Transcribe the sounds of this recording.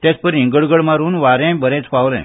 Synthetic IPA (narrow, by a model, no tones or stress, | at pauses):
t̪ɛt͡spəɾiŋɡəɽɡəɭmaɾuːnʋaɾɛ̃bəɾɛ̃t͡spaʋlɛ̰̃